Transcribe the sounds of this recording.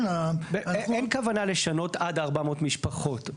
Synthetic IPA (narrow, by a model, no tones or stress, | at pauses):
abenkavanaleʃano̞tadaʁbamo̞tmiʃpaχo̞t